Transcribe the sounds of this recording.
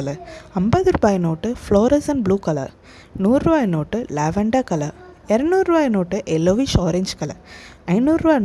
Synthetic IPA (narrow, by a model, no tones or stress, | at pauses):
ɐlɐɐmbɐðɯɾubaːjnoːʈːɯfloːɾɐsɐnbluːkɐla̰ | nuːɾɾubaːjnoːʈːɯlɛːʋɐɳɖaːkɐla̰ːɛɾɐɳuːɾɾubaːjnoːʈːɯʔɛlːoʋiʃoːɾeɲd͡ʒkɐlɐɐɪnuːɾɾbaːj